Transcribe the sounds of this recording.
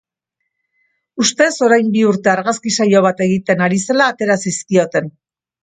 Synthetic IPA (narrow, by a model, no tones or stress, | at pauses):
ust̪e̞so̞ɾajmbiuɾt̪e̞aɾɣaskisajo̞β̞at̪e̞ɣit̪e̞naɾise̞laːt̪e̞ɾasiskio̞t̪e̞n